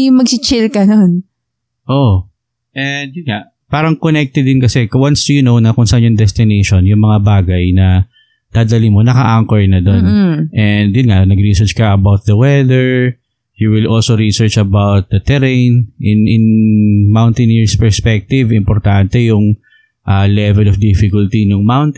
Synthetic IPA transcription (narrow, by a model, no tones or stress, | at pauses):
jʊŋmɐɡsɪt͡ʃɪlkɐnon | ʔoʔ | ʔɛnd̪̚jʊnŋaʔ | paːɾɐŋkonɛk̚t̪ɛd̪ɪnkɐsɛkwanst̪ʊjunownɐkʊŋsɐʔanjʊŋd̪ɛst̪ɪnejʃonjʊŋmɐŋabaːɡɐjnɐ | d̪̥aːd̪ɐlɪnmonɐkɐ̰ʔaŋkɐɹnɐd̪onʔɛnd̪jʊnŋaʔnɐɡɾisɛt͡ʃkɐʔɐbawt̪̚d̪ɐwɛðɛɹ | juwɪlʔolsoɹisɛɹt͡ʃɐbawt̪̚d̪ɐt̪ɛɾẽjnʔɪnʔɪnmawnt̪ɪniɹspɛɹspɛk̚t̪ɪvɪmpɔɾt̪ant̪ɛjʊŋ | ʔalɛvɛlɔfd̪ifɪkʊlt̪inʊŋmawnt̪